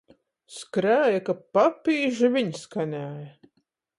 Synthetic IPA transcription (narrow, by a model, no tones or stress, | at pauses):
skɾæːjakapapiːʒivʲiɲskanʲæːjɐ